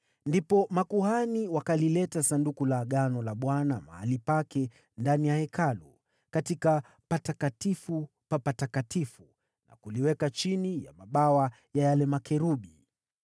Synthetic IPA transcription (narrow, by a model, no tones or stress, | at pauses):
ndipɔmakuhaniwakalilɛtasandukulaɠanɔlaɓwanama̰ha̰lipakɛ | ndanijahɛkʰalu | katika | patakatifu | papatakatifu | na̰kuliwɛkat͡ʃinija̰maɓawa | jajalɛmakɛɾuɓi